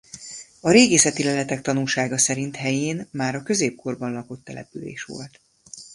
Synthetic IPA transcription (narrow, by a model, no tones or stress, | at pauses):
ɒɾeːɡeːsɛt̪ilɛlɛt̪ɛk̚t̪ɒnulʃaːɡɒsɛɾint̪hɛjeːnmaːɾɒkø̞zeːp̚kʰo̞rbɒnlɒkot̪ːɛlɛ̰pylḛːʃʋo̰lt̪